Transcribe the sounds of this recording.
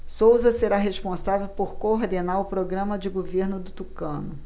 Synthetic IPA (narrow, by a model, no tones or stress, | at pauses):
sowzɐseɾaɦeʃpõsavewpoɾkoːɾd̪enaɾʊpɾoɡɾɐ̃mɐd͡ʒɪɡoveɾnʊd̪ʊt̪ukɐ̃nʊ